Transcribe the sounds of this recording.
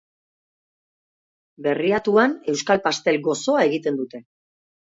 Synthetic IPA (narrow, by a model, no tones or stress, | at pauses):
be̞riat̪uane̞wskalpast̪e̞lɡo̞so̞ae̞ɣit̪e̞nd̪ut̪e̞